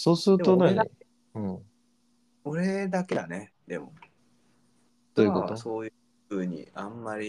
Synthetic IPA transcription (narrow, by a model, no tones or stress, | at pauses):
so̞ːsɨɾɯt̪onai | ɯ̟̃ɴ | oɾed̪aked̪ane | d̪̥e̞̰mo̰ | d̪̥ojɯkot̪oso̞ːj | ɯ̟ːɲ̟ḭãmːaɾʲi